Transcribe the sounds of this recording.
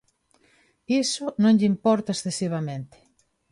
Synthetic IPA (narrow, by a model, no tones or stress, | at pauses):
isʊnõŋʎimpɔɾt̪aesθesiβ̞amẽnt̪ɪ̥